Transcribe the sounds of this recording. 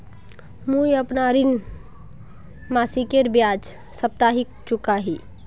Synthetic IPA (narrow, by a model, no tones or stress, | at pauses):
mũjəpnaɾɪn | maːsikeɾbjaːd͡ʒ | səp̚t̪aɦik̚t͡ʃʊkaɦi